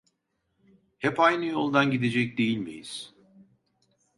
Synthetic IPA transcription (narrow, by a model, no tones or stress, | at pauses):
hɛpajnɯjo̞lˠd̪anɟid̪e̞d͡ʒɛc̚d̪e̞jilʲmḭjḭz̥